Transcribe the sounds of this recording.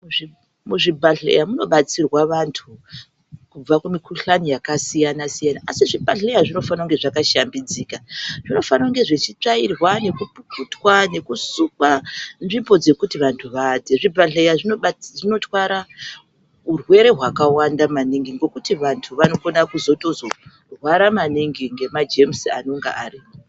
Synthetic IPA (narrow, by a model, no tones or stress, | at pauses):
i | muʐibʱaɮḛjamuno̞ɓat͡sirwaʋantʰu | kub͡vakumikʰuɬanijakasijanasijanaːsiʐibʱaɮejaʐino̞fanauŋɡe̞ʐakaʃambid͡ziːkaʐ̥ino̞fanauŋɡe̞ʐe̞t͡ʃit͡ʂairwane̞kupuputwane̞kusukwanʐimbo̞d͡ze̞kutiʋantʰuʋad͡zeʐibʱaɮejaʐinoʐino̞twaɾa | urwe̞ɾe̞ɦwakawandamaniŋɡiŋɡo̞kutiʋantʰuʋano̞ko̞nakuzo̞to̞zo̞ | rwaɾamaniŋɡiŋɡe̞mad͡ʒemsia̰no̞ŋɡa̰ʔari